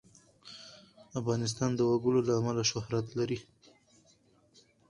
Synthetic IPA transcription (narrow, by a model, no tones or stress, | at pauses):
afɣɑnɪs̬t̪ɑnd̪əwaɡəlolaːmalaʃʊhɾat̪laɾi